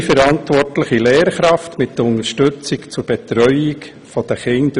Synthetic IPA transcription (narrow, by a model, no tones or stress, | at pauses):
fəɾɑntʋɔrtləχilɛːɾχɾɑftmɪtːəʊnəʃtʉt͡sikt͡sʊɾb̥ɛt̪ɾœʏik | fɔd̥̪əχɪnd